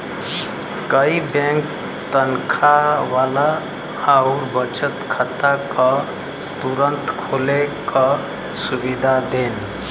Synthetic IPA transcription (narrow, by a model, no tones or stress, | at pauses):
kəibẽŋk | t̪ənkʰawalaː | ʊɾbət͡ʃət̪kʰət̪akʌ | t̪uɾənt̪kʰolekʌ | subid̪ʱad̪en